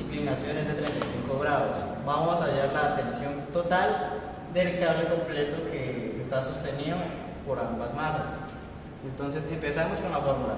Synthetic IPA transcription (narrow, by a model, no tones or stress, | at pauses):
iŋklinasjo̞ne̞zd̪e̞t̪ɾent̪ajsiŋko̞ɣɾaðos | bamosaʝaɾlaːt̪e̞nsjo̞nt̪o̞t̪al | d̪e̞lkaβle̞ko̞mple̞t̪okʰeːst̪asost̪e̞niðo | po̞ɾabazmasas | ent̪o̞nse̞se̞mpe̞samoskonafoɾmula̰